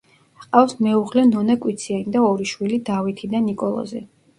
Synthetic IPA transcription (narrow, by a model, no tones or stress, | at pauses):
qʼafsmɛuʁlɛnɔnɛkʼwit̪sʰianid̪aɔɾiʃwilid̪avit̪ʰid̪anikʼɔlˠɔ̰zi